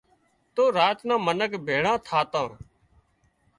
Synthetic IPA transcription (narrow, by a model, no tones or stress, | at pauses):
t̪oːɾaːt̪nãːmənəkbʱeːɽãːt̪ʰaːt̪ãː